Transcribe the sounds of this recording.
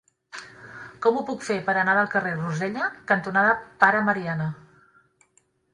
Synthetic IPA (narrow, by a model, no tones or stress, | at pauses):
kɔmupukfepəɾənaðəlˠkəreruzɛʎəkənt̪unaðəpaɾəməɾianə